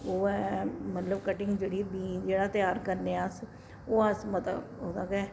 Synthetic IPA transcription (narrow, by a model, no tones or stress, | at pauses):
oːɛːmət̪ləbkəʈɪŋɡd͡ʒeːɽiːbiːnd͡ʒeːɽaːt̪ɪjaːɾkəɾneːəs | oːəsmət̪oːd̪aːkɛː